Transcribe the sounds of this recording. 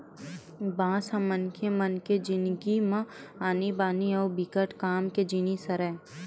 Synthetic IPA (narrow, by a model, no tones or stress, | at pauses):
bãːsãmənkʰemɐnked͡ʒɪnɡimɐ̃aːnibaːniɐːbikəʈkaːmked͡ʒinisɐɾɛː